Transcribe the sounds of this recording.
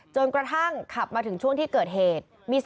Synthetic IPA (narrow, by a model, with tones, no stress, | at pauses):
t͡ɕo˧nkɾa˧t̪ʰa˥˩ŋkʰa˨˩p̚maː˧t̪ʰɯ˩˦ŋt͡ɕʰu˥˩əŋt̪ʰiː˥˩kɤː˨˩t̪̚ɦeː˨˩t̪̚ | miː˧s